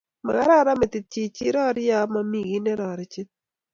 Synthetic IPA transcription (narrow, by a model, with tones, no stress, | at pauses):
ma̰˨ɡa˦ɾa˦ɾa˦mɛ˨t̪ɪ˨ti˨t͡ʃi˦ɾɔ˦ɾja˦ma˨˦mi˨ɡi˦nɛ˦ɾɔ˨ɾɛ˨t͡ʃɪ˦t̚